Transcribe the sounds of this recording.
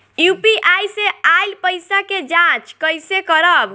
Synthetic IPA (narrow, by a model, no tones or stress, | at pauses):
jupiʔajsealpəjsaked͡ʒãt͡ʃkəjsekəɾəb